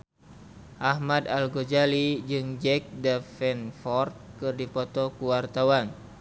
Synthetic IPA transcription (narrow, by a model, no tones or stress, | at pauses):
ʔahmadalɡod͡ʒalid͡ʒɨŋd͡ʒɛk̚dafɛnfɔrt̪̚kɨrdipɔt̪ɔkuwart̪awan